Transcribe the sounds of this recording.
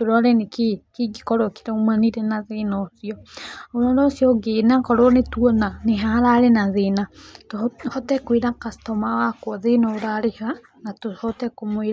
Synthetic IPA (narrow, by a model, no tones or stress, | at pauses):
toɾɔɾɛnekikiɡikɔɾɔki̥ɾaumaniɾɛnaðenosiɔoɾɔɾosjɔɡenakɔɾonetuɔnaneɦaaɾaɾenaðenathɔtɛkwiɾakastɔmawakwɔðenooɾaɾeha | natohɔtɛkomoiɾa